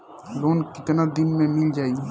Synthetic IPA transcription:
loːnkɪt̪nad̪ɪnmẽmɪld͡ʒaːi

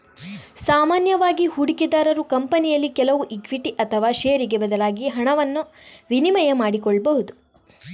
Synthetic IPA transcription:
saːmaːnjɐʋaːɡihuɽikid̪aːɾɐɾukɐmpɐnijɐlːikɛlɐʋuʔikʋiʈiʔɐt̪ʰɐʋaːʃeːɾiɡebɐd̪ɐlaːɡiɦɐɳɐʋɐnːuʋinimɐjɐmaːɽikɔɭːbɐɦud̪u

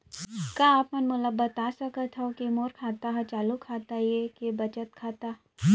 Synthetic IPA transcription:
kaːaːpmɐnmʊləbːɐt̪aːsɐkət̪ʰɛokemoːɾkʰaːt̪aɦɛt͡ʃaːlukʰaːt̪aiekebɐt͡ʃət̪kʰaːt̪aː

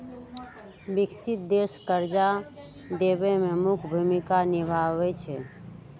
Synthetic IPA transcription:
biksit̪̚d̪eskəɾd͡ʒa | d̪ebememukʰbʱumikanibʱabɛt͡ʃʰɛ

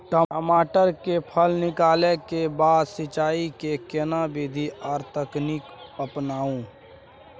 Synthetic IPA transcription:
ʈəmaːʈəɾkepʰəlnɪkaːlekebaːd̪sɪt͡ʃaːikekenabeːd̪ʱiʔɔːɾt̪əkniːkəpnaːũ

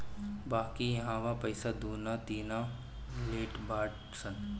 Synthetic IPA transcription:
baːkijɐɦãːʋapɐɪsad̪ʱuːnat̪iːna | leːʈbaːʈ | sən

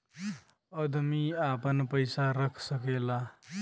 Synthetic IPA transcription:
əd̪ʱmiapənpəɪsaɾəkʰsəkela

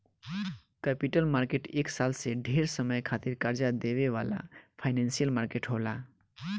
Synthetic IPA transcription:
kɛpiʈəlmaɾkeʈeːksalseɖʱeɾsəməjkʰat̪iɾkəɾd͡ʒad̪eʋeʋala̰pʰaɪnẽnsijəlmaɾkeʈɦola

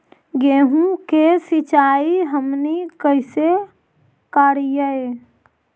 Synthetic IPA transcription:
ɡeːɦũkesɪt͡ʃaːiɦəmnikəɪse | kaːɾijəe

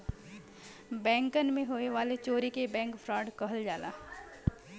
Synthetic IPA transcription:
bɛ̃ːŋkənmẽɦoːeʋaːlet͡ʃoːɾikebɛ̃ːŋkfʰɾaːɖkɐɦəld͡ʒaːla̰ː

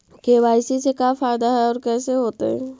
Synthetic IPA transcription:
keːʋaːɪsisekaːfaːɪd̪aɦɛɔːɾkɛːseɦoːt̪eɦɛ̰̃ː

